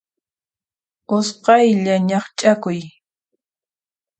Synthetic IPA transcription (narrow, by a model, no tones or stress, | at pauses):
ʊsqɑjʎaɲɑχt͡ʃʼakʊj